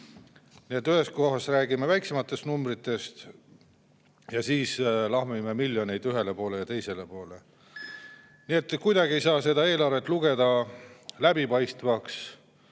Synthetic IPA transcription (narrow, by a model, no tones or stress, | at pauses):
nie̞t̪ːyhe̞sko̞ɦɑsræːɡimevæjksemɑt̪ːˑe̞st̪numbrit̪ːˑe̞st̪ | jɑsiːslɑhmimemilʲjo̞ne̞jd̪yɦe̞le̞po̞ːle̞jɑt̪e̞jse̞le̞po̞ːle | nie̞t̪ːˑkujd̪ɑɡie̞jsɑːse̞d̪ɑe̞ːlɑrve̞t̪ːˑluɡ̥e̞d̪̥ɑlæbipɑjst̪vɑks